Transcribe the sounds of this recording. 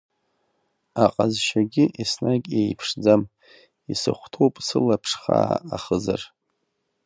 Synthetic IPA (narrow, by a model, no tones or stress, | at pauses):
aqʼazʃaɡʲɪʔisnaɡʲejpʰʂd͡zam | isɨχʷtʰowpʼsɨlapʰʂχa̰ːaχəzar